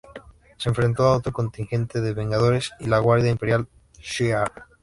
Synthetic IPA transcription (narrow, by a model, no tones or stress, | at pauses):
sẽɱfɾe̞nt̪oaot̪oko̞nt̪iŋxẽ̞nt̪eðeβe̞ŋɡað̞o̞ɾe̞silaɣwaɾðjaimpe̞ɾjal | ʃia